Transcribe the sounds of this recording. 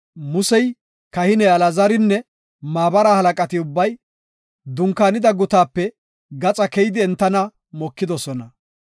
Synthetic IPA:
mʊsɛj | kɐhɪnɛɐlɐzɐɾɪnːɛ | maːbɐɾaːhɐlɐkʼɐt̪ɪʊbːɐj | d̪ʊŋkaːnɪd̪ɐɡʊt̪aːpːɛ | ɡɐt͡sʼɐkɛjɪd̪ɪɛnt̪ːɐnɐ | mɔkːɪd̪ɔsɔnɐ

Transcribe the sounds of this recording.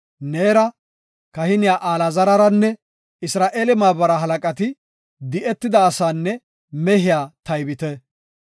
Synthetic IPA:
neːɾɐ | kɐhɪnɪjaːʔaːlɐzɐɾɐɾɐnːɛ | ɪsɾaːʔeːlɛmaːbɐɾɐɦɐlɐkʼɐt̪ɪ | d̪ɪʔɛt̪ːɪd̪ɐːsaːnːɛ | mɛɦɪjaːt̪ɐjbɪt̪ɛ

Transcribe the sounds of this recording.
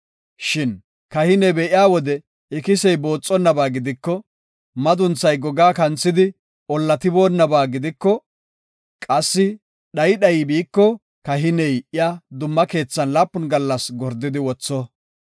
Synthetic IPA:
ʃɪn | kɐhɪnɛbɛʔɪjaːwɔd̪ɛ | ɪkɪsɛjbo̞ːt͡sʼːɔnːɐbaːɡɪd̪ɪkːɔ | mɐd̪ʊnt͡sːɐjɡɔɡaːkɐnt͡sːɪd̪ɪ | ʔɔlːɐt̪ɪboːnːɐbaːɡɪd̪ɪkːɔ | kʼɐsːɪ | ɗɐjɗɐjibiːkːɔ | kɐɦɪnɛjʔɪjaːd̪ʊmːɐke̞ːt͡sːɐnlaːpːʊnɡɐlːɐsɡɔɾd̪ːɪd̪ɪwɔt͡sːɔ

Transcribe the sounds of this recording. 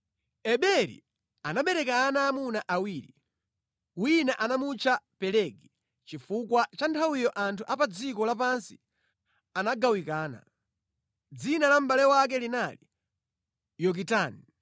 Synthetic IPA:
ɛɓɛɾḭ | anaɓɛɾɛkanaːmunaʔawiːɾi | winaʔanamut͡ʃʰapɛlɛɡi | t͡ʃifukwat͡ʃantʰawijɔʔantʰuʔapad͡zikɔlap̬ansi̥ | anaɡawikaːna̰ | d͡zinalam̩ɓalɛwak̬ɛlinali | jɔk̬itaːni

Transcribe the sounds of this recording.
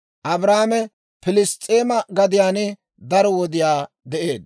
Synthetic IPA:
ʔɐbɾaːmɛ | pɪlɪst̪ʼːeːmɐɡɐd̪ɪjaːnɛ | d̪ɐɾɔwɔd̪ɪjaː | d̪ɛʔeːd̪

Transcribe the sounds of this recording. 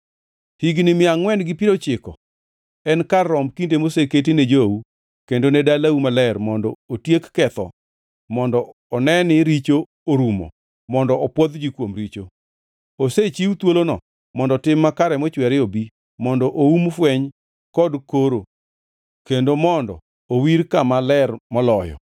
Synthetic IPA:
hiɡnɪmɪaŋwɛnɡɪpiɾot͡ʃɪkɔ | ɛnkarːɔmkindemoseket̬ined͡ʒou | kendonɛdalaumalɛɾmɔndɔotjekːɛt̪ɔ̰ | mɔndɔ | ɔnɛnɪɾit͡ʃo | oɾumɔ̰ | mɔndɔʔɔpwɔd̪d͡ʒikwomɾit͡ʃo | oset͡ʃiwut̪wolonɔ̰ | mɔndɔtɪmːakaɾɛmɔt͡ʃwɛɾɪobi | mɔndɔʔoumfwɛɲ | kɔdkoɾo | kendomɔndɔ̰ | owiɾkamalɛrmɔlɔjɔ̰

